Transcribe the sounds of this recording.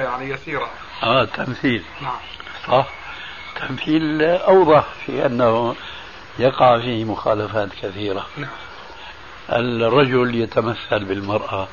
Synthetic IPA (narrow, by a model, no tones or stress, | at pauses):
jaʕnijasiːɾa | ʔaːt̪ʰːamθiːl | sˤɑħ | t̪ʰːamθiːlʔɑwðˤɑħfḭʔanːah | jɑqɑʕfiːmʊxaːlafaːt̪kaθiːɾa | ʔɪ̰lrˤːɑd͡ʒʊljat̪amaθːalbɪlmɑɾˤʔa